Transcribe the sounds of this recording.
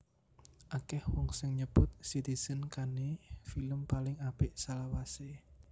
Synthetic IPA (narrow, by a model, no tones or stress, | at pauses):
ʔakɛhwɔŋsɪŋɲəb̥ʊt̪̚sit̪iz̥ənkanefiləmpalɪŋab̥ɪʔsalawase